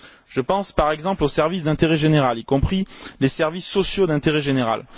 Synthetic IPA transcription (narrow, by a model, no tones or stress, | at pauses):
ʒ̥əpɑ̃spaʁɛɡzɑ̃plosɛʁvis̬d̪ɛ̃t̪eʁɛʒeneʁalilkɔ̃pχilesɛʁvisːɔsjod̪ɛ̃t̪eʁɛʒeneʁa̰l